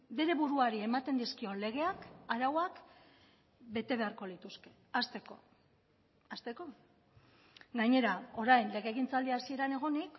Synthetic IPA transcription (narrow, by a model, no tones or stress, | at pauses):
be̞ɾe̞βuɾuaɾie̞mat̪e̞nd̪iskio̞le̞ɣ̞e̞akaɾawak | be̞t̪e̞β̞e̞aɾko̞lit̪uske̞̥ | ast̪e̞ko̞̰ | ast̪e̞ko̞ | ɡaɲe̞ɾao̞ɾajnle̞ɣe̞ːɣ̞int͡sald̪iasie̞ɾane̞ɣ̞o̞nik